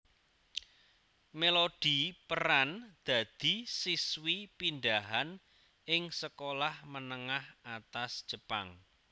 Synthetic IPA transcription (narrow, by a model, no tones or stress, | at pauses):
melod̥i̤pəɾand̪̥ä̤d̪̥i̤siswipind̪aɦan | ɪŋsəkolahmənəŋahat̪asd̥ʒ̥ə̤paŋ